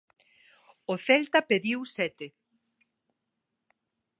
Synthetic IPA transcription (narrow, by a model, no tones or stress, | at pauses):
oθɛlt̪ɐpeðiwsɛt̪e